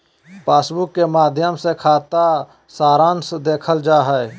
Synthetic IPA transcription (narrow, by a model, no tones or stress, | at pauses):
paːsbʊkːemaːd̪ʱjəmsekʰaːt̪a | saːɾãːnsd̪eːkʰəld͡ʒaːɦɛɛ